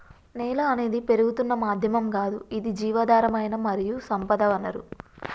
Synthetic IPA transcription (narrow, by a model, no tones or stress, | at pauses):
nɛːlɐːne̞ːd̪ipe̞ɾuɡut̪unːɐmaːd̪ʱjɐmɐmɡaːd̪uid̪id͡ʒiːʋɐːd̪aːɾɐmɐjnɐmɐɾijusɐmpɐd̪ɐʋɐnːɐɾu